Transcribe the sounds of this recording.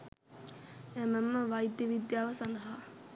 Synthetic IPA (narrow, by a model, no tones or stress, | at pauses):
æməmːəʋajd̪jəʋid̪jaːʋəsand̪əɦa